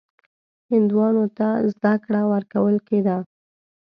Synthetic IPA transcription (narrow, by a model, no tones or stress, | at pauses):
hɪnd̪wɑnot̪azd̪akɽawəɾkawəlked̪a